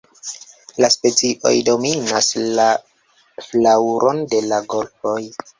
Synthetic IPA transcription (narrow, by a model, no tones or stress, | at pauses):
laspe̞t͡siʔo̞̰jdo̞minasla | flawɾʔo̞nde̞laɡo̞lfo̞j